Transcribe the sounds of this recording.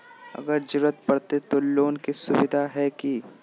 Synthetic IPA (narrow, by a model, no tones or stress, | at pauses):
ɐ̰ɡəɾd͡ʒʊɾət̪̚pɐɽt̪et̪oloːnkisʊbɪd̪ʱaɦɛki